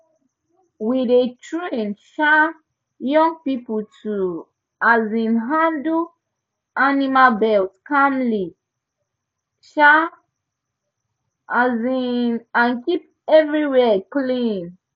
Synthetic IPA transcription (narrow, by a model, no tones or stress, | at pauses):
widetʰɹĩnʃa | jɔ̃ŋpipətʰu | ʔazĩnɦãndu | ʔanimabɛltkamli | ʃa | ʔazinãnkip | ɛvɹiwɛklĩn